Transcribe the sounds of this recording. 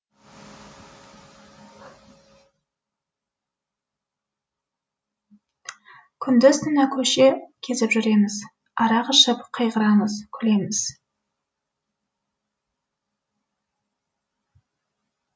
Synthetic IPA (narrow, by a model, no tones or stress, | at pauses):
kʲʰʏnd̪ɪzt̪ʰɪnɑkʲʰɵʃekʲʰe̞zɪpʒʏɾe̞mɪz̥ | ɑɾɑqəʃəpqʰəjʁəɾɑməzkʲʰʏle̞mɪz̥